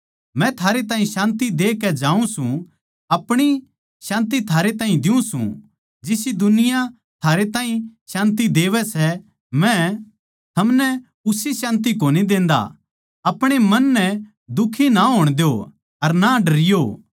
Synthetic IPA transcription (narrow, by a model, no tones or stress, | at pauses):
mɛ̃t̪ʰaːɾet̪aːɦĩʃãːnt̪id̪eːkɛd͡ʒãːũsũ | ɐpɽ̃i | ʃãːnt̪it̪ʰaːɾet̪aːɦĩd̪ɪũsṵ̃ | d͡ʒɪsid̪ʊnɪja | t̪ʰaːɾet̪ãːɦĩʃãːnt̪̬id̪eːʋɛsɛ | mɛ̃ | t̪ʰɐmnɛ | ʊsisãːnt̪̬ikoːnid̪ẽːnd̪a̰ | ɐpɽ̃emɐnːɛ | d̪ʊkʰːinaɦoːɽ̃d̪ejo | ɐɾnaɖɐɾɪjo